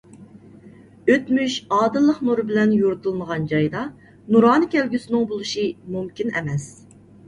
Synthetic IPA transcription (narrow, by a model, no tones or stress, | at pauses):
øt̪myʃɑːd̪ɨlˠːəqnuɾɨbɪlɛnjuɾɨt̪ʰɨlˠməʁɑnd͡ʒɑjd̪ɑ | nuɾɑːnɨkʲɛlɡʲysɪnɪŋbolˠuʃɨmumkʲinɛ̰mɛs